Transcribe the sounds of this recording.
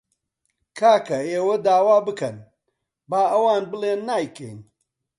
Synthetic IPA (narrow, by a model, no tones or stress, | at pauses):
kʰaːkɐeːwɐd̪aːwaːbɨkɐn | baːʔɐwaːnbɨlˠeːnːaːjkʰɐ̰jn